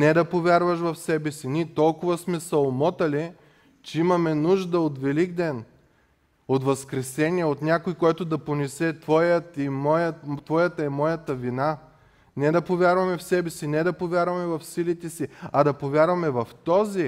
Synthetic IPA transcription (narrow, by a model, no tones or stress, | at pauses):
nɛd̪ɐpovʲjaɾvɐʃvɐfsɛbɛsinit̪ɔlˠkʊvɐsmɛsɐomɔt̪ɐli | t͡ʃɛimɐmɛnuʒd̪əot̪vɛliɡd̪ɛn | ot̪vɐskɾɛsɛniɛot̪nʲjakojkɔjt̪ʊd̪ɐponɛsɛt̪vɔjət̪imɔjət̪vɔjət̪ɐɛmɔjət̪ɐvina | nɛd̪ɐpovʲjaɾvɐmɛfsɛbɛsinɛd̪ɐpovʲjaɾvɐmɛvɐfsilit̪ɛsiɐd̪ɐpovʲjaɾvɐmɛvɐft̪ɔzi